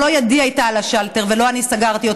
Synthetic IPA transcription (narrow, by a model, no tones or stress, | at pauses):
o̞jadiajtaːlaʃalteʁvelo̞anisaɡaʁt̪io